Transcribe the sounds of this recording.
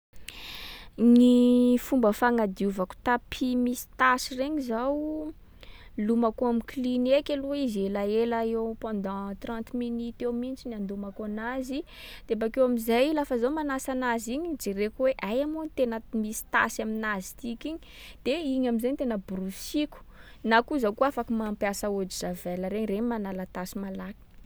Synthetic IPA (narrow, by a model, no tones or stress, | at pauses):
nifumbəfaŋad̪iuvaku̥t̪apʰimisi̥t̪asireɲizaw | lumakoamiklinekʲeluizelaelaewpãnd̪ɑ̃t̪rɑ̃nt̪minit̪ewmint͡ʃiniand̪umakaanazi | d̪̥ebakewamizajlafəzawmanasanaziɲid͡ʒerekuweʔajamunit̪enəmisi̥t̪a̰saminazit̪ikiɲi̥ | d̪̥eiɲamizajɲt̪enəbɾusiku̥ | nakuzawkuafakimampjasaod͡ʒizavɛləɾeɲreɲmanalat̪asimalaki̥